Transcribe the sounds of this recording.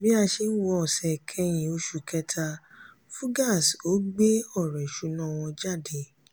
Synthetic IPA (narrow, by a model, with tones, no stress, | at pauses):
bĩ˦a˧ʃe˧n̩˦wɔ˧ɔ˨sɛ˨kʰɛ˧˦j̃ĩ˨o˧˦ʃu˨kɛ˧˦tʰa˧ | fu˦ɡa˦˨so˨˦ɡ͡be˦ɔ˦˨ɾɛ˨ʃu˨˦nã˦˨w̃ɔ̃˧d͡ʒa˦˨de˨˦